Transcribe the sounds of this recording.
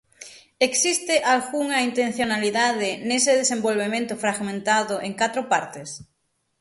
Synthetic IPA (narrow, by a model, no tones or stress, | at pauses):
eksist̪ɪʔalɣuŋɐint̪ẽnθjonaliðaðɪneseðesẽmbolβemẽnt̪ʊfɾaɣmẽnt̪aðʊʔeŋkat̪ɾʊpaɾt̪ɪs